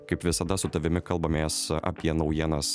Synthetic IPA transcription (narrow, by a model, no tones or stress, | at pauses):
kɐɪpʋʲɪsɐd̪ɐsʊt̪ɐʋʲɪmʲɪkɐlˠbɐmʲeːsɐ̰ːpʲiɛnɒʊjiɛnɐs